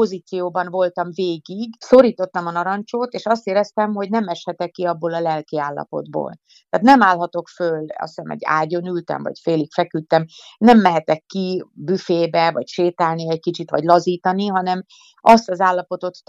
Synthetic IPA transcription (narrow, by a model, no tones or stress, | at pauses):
po̞ziːt̪sijoːbɒnvo̞lt̪ɒɱveːɡiɡso̞ɾiːt̪o̞t̪ːɒmɒnɒɾɒɲt͡ʃoːt̪eːʃɒst̪eːɾɛst̪ɛmɦo̞ɟnɛmɛʃhɛt̪ɛkːiɒbːoːlɒlɛlkiaːlːɒ̰po̞̰d̪bo̰ːl | t̪æaːt̪nɛmaːlɦɒt̪o̞kfølɒ̰ssɛmɛ̰ɟːa̰ːɟo̞nylt̪ɛ̰ɱvɒ̰cfeːlikfɛkyt̪ːɛmnɛmːɛɦɛt̪ɛkːibyfeːbɛvɒ̰cʃeːt̪aːlniɛckit͡ʃit̪ʋɒ̰ɟlɒziːt̪ɒniɦɒnɛm | ɒst̪ɒzaːlːɒpo̞t̪o̞t̪